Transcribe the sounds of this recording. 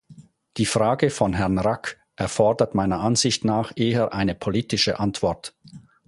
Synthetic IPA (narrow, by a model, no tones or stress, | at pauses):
d̥iːfʁaːɡəfɔnɦɛɐnʁak | ʔɛɐfɔɐdɐtmaɪnɐʔanz̥ɪçtnaːχʔeːəʔaɪnəpʰoliːtɪʃə̰ʔantv̥ɔɐt